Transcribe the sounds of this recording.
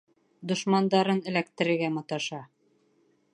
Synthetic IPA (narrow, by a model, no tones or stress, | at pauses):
d̪ŏʃmɑnd̪ɑɾɤnɘ̆lækt̪ɘ̆ɾɘ̆ɾɡæmɑ̆t̪ɑʃɑ